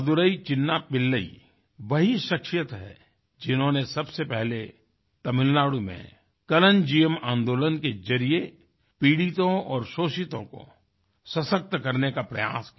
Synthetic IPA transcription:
d̪ʊɾəit͡ʃɪnːapɪlːəḭ | ʋɐɦiʃəkʃjət̪ɦɛ̰ | d͡ʒɪnɦõnesɐbsepɛɦle | t̪ɐmɪlnaːɽumḛ̃ | kɐlənd͡ʒiːjəmãːnd̪oːlənkezɐɾie | piːɽit̪õɔːɾʃoːʃɪt̪õ̰ko̰ | sɐsək̚t̪kɐɾnekapɾɐja̰ːski

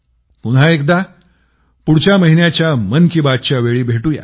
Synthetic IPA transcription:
punɦaekd̪a | puɽt͡ɕjaməɦinjat͡ɕjamənkibat̪̚t͡ɕjaʋeɭiːbʱeʈuːja̰

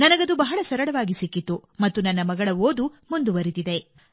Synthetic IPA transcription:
nɐnɐɡɐd̪ubɐɦɐɭɐsɐɾɐɽɐʋaːɡisikːit̪ːumɐt̪ːunɐnːɐmɐɡɐɭɐoːd̪umund̪uʋɐɾit̪id̪e̞

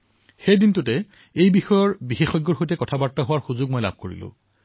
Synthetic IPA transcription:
xejdintʊtɛ | ejbixɔjɔɹbixexɔjɡːɔɹxojtɛkɔtʰabaɹtaɦʊwaɹxuzʊɡ̚mojla̰b̚ʱkoɹḭlʊ̰̃

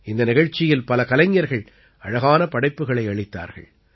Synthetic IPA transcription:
ɪnd̪ɐnɪɣɐɻt͡ʃːɪjɪlpɐlɐkɐlɐŋːjɐɾɣɐɭ | ʔɐɻɐɣaːnɐpɐɽɐɪpːɯɣɐɭɐɪɐɭɪt̪ːa̰ːɾɣɐ̰ɭ

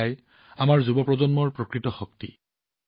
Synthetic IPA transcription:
aj | amaɹzubɔpɹɔzɔnmɔɹpɹɔkɹitɔxɔktḭ

